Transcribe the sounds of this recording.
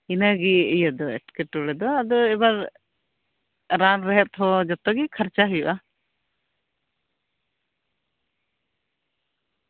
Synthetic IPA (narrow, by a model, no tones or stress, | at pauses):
inaɡiijad̪ɔɛ̰ʈkɛʈuɽɛd̪ɔad̪ɔɛbaɾ | ɾanɾɛɦɛp̚t̪ʰɔd͡ʒɔt̪ɔɡikʰaɾt͡ʃaɦujuʔa